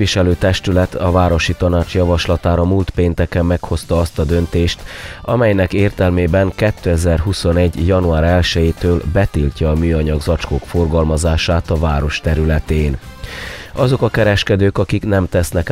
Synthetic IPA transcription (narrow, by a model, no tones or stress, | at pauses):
iʃɛløːt̪ɛʃt̪ylɛt̪ʰɒvaːɾo̞ʃit̪ɒnaːt͡ʃjɒvɒʃlɒt̪aːɾɒmult̪peːnt̪ɛkɛmːɛkho̞st̪ɒɒst̪ɒd̪ø̞nt̪eːʃt̪ɒmɛjnɛkeːrt̪ɛlmeːbɛŋkɛt̪ːøɛzɛrɦuso̞nɛɟːjɒnuaːɾɛlʃɛjeːt̪øːlbɛt̪ilcɒːmyːɒɲɒɡzɒt͡ʃkokfo̞rɡɒlmɒzaːʃaːt̪ɒvaːɾo̞ʃt̪ɛɾylɛt̪eːn | ɒzo̞kɒkɛɾɛʃkɛd̪øːkɒkiknɛmt̪ɛsnɛk